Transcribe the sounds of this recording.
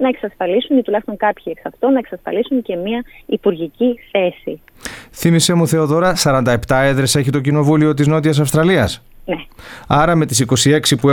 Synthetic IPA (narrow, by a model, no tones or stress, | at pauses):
nɐe̞ksɐsfɐlisunit̪ulɐçst̪o̞ŋkɐpçieksɐft̪o̞nɐe̞ksɐsfɐ̰lisunce̞miɐipuɾʝiciθe̞si | θimise̞muθe̞o̞ðo̞ɾɐsɐɾɐnd̪ɐe̞pt̪ɐe̞ðɾe̞se̞çit̪o̞cino̞vulio̞t̪̬izno̞t̪̬iɐs̬ɐfst̪ɾɐliɐs | neɐɾɐme̞t̪isiko̞sie̞ksipue